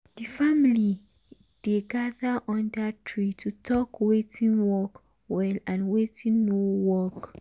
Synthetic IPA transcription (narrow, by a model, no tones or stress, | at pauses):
difamili | d̥eɡaðəʔɔ̃ndatʰɹitʰutʰɔkwetʰĩnwɔk | wɛlãnwetĩnːowɔk